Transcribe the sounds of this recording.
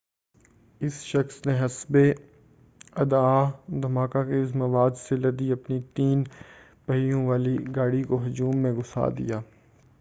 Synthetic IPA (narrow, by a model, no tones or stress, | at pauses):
ɪsʃɐxsneɦɐsbe | ɐd̪aːd̪ʱɐmaːkakeɪsmɐʋaːd̪selɐd̪iɐpnit̪iːn | pɐɦijõʋaːliɡaːɽikoɦʊd͡ʒuːmːẽɡʊsa̰ːd̪ḭjaː